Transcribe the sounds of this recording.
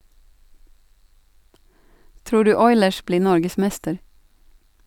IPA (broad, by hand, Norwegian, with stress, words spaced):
ˈtɾuː ˈɖʉː ˈɔʏləʃ ˈbliː ˈnɔɾɡəˌsmɛstəɾ